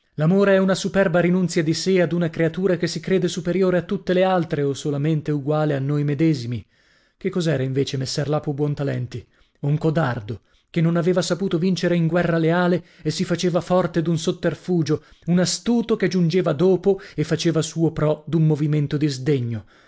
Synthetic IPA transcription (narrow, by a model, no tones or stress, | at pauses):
lamoːɾeɛunasupɛrbaɾinunt̪sjad̪isead̪unakɾeat̪uːɾakesːikɾeːd̪esupeɾjoːɾeat̪ːut̪ːelealt̪ɾeosolament̪euɡwaːleanːojmed̪ɛːzimi | kekːɔzɛːɾaiɱveːt͡ʃemesːɛrlaːpobwɔnt̪alɛ̰nt̪i | uŋkod̪ard̪o | kenːonaveːvasapuːt̪ovint͡ʃeɾeiŋɡwɛrːaleaːleesifat͡ʃeːvafɔrt̪ed̪unsot̪ːerfuːd͡ʒounast̪uːt̪oked͡ʒund͡ʒeːvad̪oːpoefːat͡ʃeːvasuːopɾɔd̪ummːoviment̪od̪izd̪eɲːo